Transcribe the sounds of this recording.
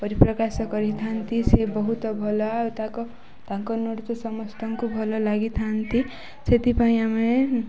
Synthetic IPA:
pʌɾiprʌkasʌkʌɾit̪ʰant̪isebʌɦut̪ʌbʱolʌt̪ãko | t̪aŋkonoɽt̪ʌsʌmʌst̪ʰʌŋkubʱʌlolaɡit̪ʰant̪i | set̪ipaĩame

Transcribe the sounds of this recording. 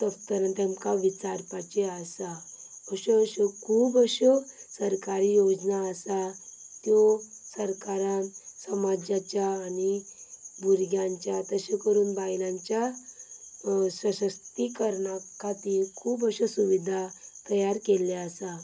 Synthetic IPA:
t̪əft̪əɾant̪jamkaʋit͡saɾpat͡ɕeəsaəɕɔɕɔkʰuːbəɕɔsəɾkaɾijod͡ʑnaəsat̪jɔsəɾkaɾãnsəmad͡ʑat͡ɕjaːnibʱuɾɡjãɲt͡ɕjat̪əɕekəɾuːnbajlãɲt͡ɕja | səɕəst̪ikəɾɳakʰat̪ikʰuːbəɕɔsuʋid̪ʱat̪əjaɾkeleəsa

